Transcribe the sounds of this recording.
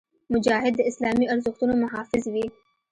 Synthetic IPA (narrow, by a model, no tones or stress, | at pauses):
mʊd͡ʒaːɦɪd̪ːəɪslaːmiɐɾzʊxt̪unomɐɦaːfɪzwiː